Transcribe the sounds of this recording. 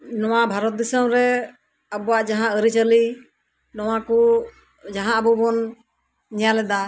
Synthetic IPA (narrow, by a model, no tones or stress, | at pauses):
nɔwabʱaɾɔt̪̚d̪isəmɾɛ | əbɔwaʔd͡ʒaɦãəɾit͡ʃəli | nɔwakɔ | d͡ʒaɦãəbɔbɔn | ɲɛjalɛd̪a